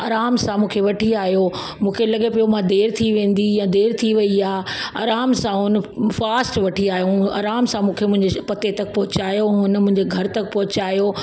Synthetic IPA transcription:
aːɾaːmsãmũːkʰeʋɐʈʰiaːɦijo | mũːkʰelɐɠepijomãd̪eːɾt̪ʰiʋẽːn̆d̪ijãd̪eːɾt̪ʰiʋɐiaːa̰ːɾaːmsãɦʊnə̆faːsʈʋɐʈʰiaːɦjoa̰ːɾaːmsãmũːkʰemʊ̃ɦɪ̃ɲd͡ʑepɐt̪et̪ɐk̚pɔɦʊt͡ɕaːjoɦʊnmʊ̃ɦɪ̃ɲd͡ʑeɡʱɐɾt̪ɐkpɐɦʊt͡ɕaːjo

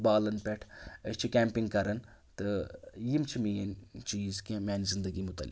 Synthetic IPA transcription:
baːlɐnpʲeʈʰəst͡ʃʰikʲɛːmpiŋɡkɐɾɐnt̪ɨjimt͡ʃʰimijɐnt͡ʃiːzkʲẽmʲaːnizind̪ɐɡimʊt̪ɐ̰lːḭk

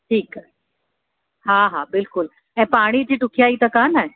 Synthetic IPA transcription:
ʈʰiːk | hãɦabɪlkʊl | ɛ̃paɽ̃it͡ɕiːʈukʰjait̪əkanae

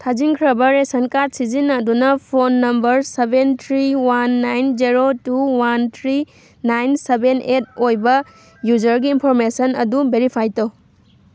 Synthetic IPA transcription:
tʰad͡ʒiŋkʰɾɐbɐɾesɐnkatsizinɐdunɐpʰonːɐmbɐɾsebentʰɾiwanːajnd͡ʒiɾotuwantʰɾi | najnsebenʔet̚ojbɐ | jud͡ʒɐɾɡiːnpʰoɾmesɐnɐdubeɾipʰajto

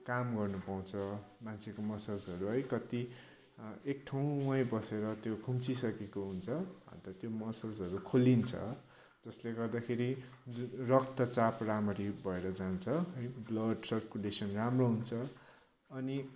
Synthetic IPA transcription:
kamɡʌrnupaw̃t͡sʰʌmant͡sʰekomʌsʌd͡zɦʌɾuɦʌjkʌt̪i | ek̚ʈʰaw̃ːʌjbʌseɾʌt̪jokʰumt͡sisʌkekoɦunt͡sʰʌbʱʌ̰nt̪ʌt̪jomʌsʌd͡zɦʌɾukʰolint͡sʰʌ̰ | d͡zʌsleɡʌrd̪akʰeɾid͡zunrʌk̚t̪ʌt͡sapramʌɾibʱʌeɾʌd͡zant͡sʰʌɦʌjblʌɖsʌrkulesʌnramroɦunt͡sʰʌ | ʌni

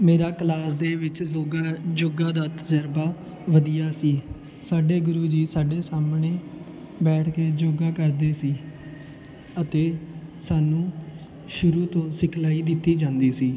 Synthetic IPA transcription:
meːɾaːklaːsd̪eːʋɪt͡ʃoɡd͡ʒoːɡaːd̪aːt̪əd͡ʒəɾbaː | ʋəd̪ijaːsiː | saːɖeːɡʊɾuːd͡ʒiːsaːɖeːsaːmɳeː | bɛːʈʰkeːd͡ʒoːɡaːkəɾd̪eːsiː | ət̪eːsaːnũː | ʃʊɾuːt̪õːsɪkʰlaːiːd̪ɪt̪ːiːd͡ʒãːnd̪iːsiː

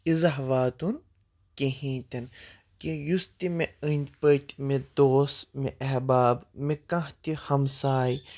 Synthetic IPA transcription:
izɐɦʋaːt̪un | keɦĩːt̪ʲɐn | kijust̪imeənʲpət̪ʲmed̪oːsmeʔɐɦbaːbmekɐ̃ɦt̪ʲihɐmsaːji

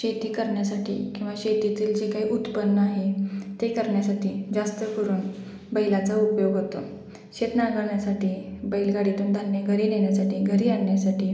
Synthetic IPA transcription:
ɕet̪iːkəɾɳjasaʈʰḭːkĩw̃ʋaɕet̪it̪iːld͡ʑekaɦiːʔut̪pənːəaɦet̪ekəɾɳjasaʈiːd͡zast̪əkəɾuːn | bəilat͡saupjoɡɦot̪o | ɕet̪naɡəɭɳjasaʈiːbəilɡaɽit̪uːnd̪ʱanːeɡʱəɾiːneɳjasaʈiːɡʱəɾiːaɽɳjasaʈiː

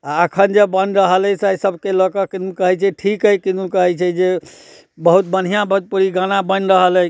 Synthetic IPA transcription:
aəkʰənd͡ʒebənɾəɦəlsasəbʱkelɔkəkinukəɦɛt͡ʃʰɛʈʰikɦəkinukəɦɛt͡ʃʰɛd͡ʒe | bəɦut̪bən̤ijãbəɦut̪̚puɾiɡanabənɾəɦələ

